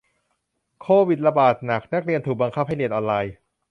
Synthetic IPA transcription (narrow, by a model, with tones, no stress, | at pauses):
kʰoː˧˩wi˨˩t̪̚ɾa˧baː˨˩t̪̚na˨˩k̚na˦˥k̚ɾi˧ənt̪ʰuː˨˩k̚ba˧ŋkʰa˦˥p̚ha˥˩jli˧˩ənʔɔː˧nlaː˧j